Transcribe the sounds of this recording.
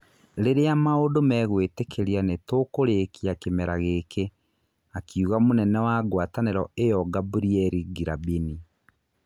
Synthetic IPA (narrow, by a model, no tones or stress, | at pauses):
ɾeɾeamaodomɛɣwetekʰeɾianetokoɾeːkiakemɛɾaɣekʰe | akʰiuɣamonɛnɛwaɡwataneɾɔejɔɡabuɾiɛɾiɡiɾabini